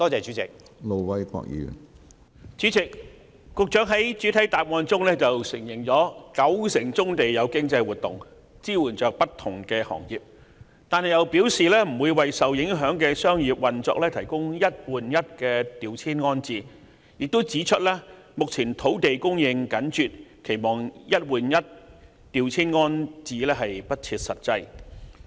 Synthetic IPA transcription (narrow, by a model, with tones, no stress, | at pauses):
t̪ɔː˥t͡sɛː˨˩t͡ʃyː˨˥t͡sɪ˨k̚ | lo˨˧wwɐ˦jkʷa̰ː˧˥k̚jy̰˨ | t͡ʃyː˨˥t͡sɪ˨k̚ː | ʊ˨˧k̚t͡ʃœː˨˥ŋɦɐ˨˥jt͡ʃyː˨˥t̪ʰɐ˨˥jt̪aː˨p̚ŋɔː˧nt͡sʊ˥ŋlɛː˥t͡sɐ˨wsɪ˨˩ŋjɪ˨˩ŋt͡sɔː˨˥kɐ˨˥wsɪ˨˩ŋt͡sʊ˥ŋt̪e˨jjɐ˨˧wkɪ˥ŋt͡sɐ˧jwuː˨˩t̚t̪ʊ˨ŋ | t͡siː˥wuː˨˩nt͡ʃœː˨k̚pɐ˥t̪ʰʊ˨˩ŋkɛː˧hɔ̰ː˨˩ŋjiː˨p̚ | t̪aː˨˧nhɐ˨jɐ˨˧wpi˨˥wsiː˨lɛː˥m̩˨˩wuː˨˧jwɐ˨jsɐ˨wjɪ˨˥ŋɦœː˨˥ŋkɛː˧sœː˥ŋjiː˨p̚wɐ˨nt͡sɔ̰ː˧k̚lɛː˥t̪ʰɐ˨˩jkʊ˥ŋjɐ˥t̚wuː˨njɐ˥t̚kɛː˧t̪iː˨wt͡sʰiː˥nŋɔː˥nt͡siː˨ | jɪ˨k̚t̪o˥wt͡siː˨˥t͡ʃʰɵ˥t̚lɛː˥ | mʊ˨k̚t͡sʰiː˨˩nt̪ʰo˨˥wt̪e˨jkʊ˥ŋjɪ˧ŋkɐ˨˥nt͡ʃyː˨t̚kʰe˨˩jmɔː˨ŋjɐ˥t̚wuː˨njɐ˥t̚ | t̪iː˨˧wt͡sʰiː˥nŋɔː˥nt͡siː˨˧lɛː˥ɦɐ˨jpɐ˥t̚t͡sʰiː˧t̚sɐ˨t̚t͡sɐ˧j